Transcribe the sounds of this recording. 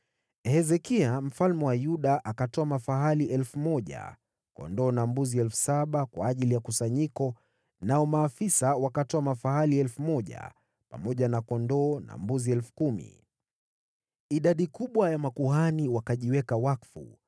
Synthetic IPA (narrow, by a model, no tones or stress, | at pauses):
hɛzɛkiam̩falmɛwajuɗaʔakatɔamafaɦaliʔɛlfumɔʄa̰ | kɔ̰ndɔːnambuziɛlfu̥saɓakwaːʄilijakusaɲikɔ | naɔmaːfisawakatɔamafaɦaliɛlfumɔʄa̰ | pa̰mɔʄanakɔndɔːna̰mbuziɛlfu̥kumḭ | iɗaɗikuɓwajamakuɦaniwakaʄiwɛkawakfṵ